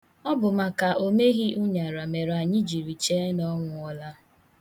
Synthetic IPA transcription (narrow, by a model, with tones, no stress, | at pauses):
ɔ˦bʊ˨ma˨ka˨ʔo˦me˦ɣi˦ʔʊ˦ɲa˨ɾa˨me˨ɾa˨ɲɪ˦d͡ʒi˨ɾi˨t͡ʃe˦nɔ˦ŋʷʊ˨ɔ˦la˦